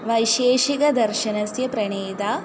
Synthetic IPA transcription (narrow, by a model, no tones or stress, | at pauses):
ʋɐjʃeːʃikɐd̪ɐɾʃɐnɐsjɐpɾɐɳeːd̪aː